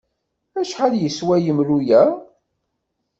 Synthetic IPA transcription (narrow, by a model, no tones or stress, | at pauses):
æʃħaljəswæjəmlujæ